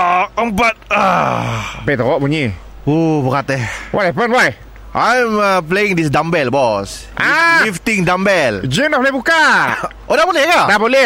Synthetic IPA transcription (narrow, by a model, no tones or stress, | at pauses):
əmpat̪̚a | bɛt̪ɔɔʔbuɲi | ubəkat̪əhwɔthɛpənwaj | ʔajməpleĩŋdis̬dambɛlbɔs | ʔalift̪iŋdambɛld͡ʒənabolɛhbukaʔodabolɛhɡadabolɛ